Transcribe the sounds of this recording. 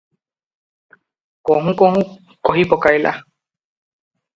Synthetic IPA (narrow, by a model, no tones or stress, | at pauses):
koɦũkohũ | koɦipokajlʔa̰